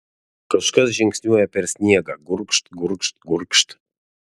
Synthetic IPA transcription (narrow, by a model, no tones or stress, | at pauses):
kəʃkəzʒeŋksʲnʲuapersnʲijaɡaɡurkʃt̪ɡurkʃt̪ɡurkʃt̪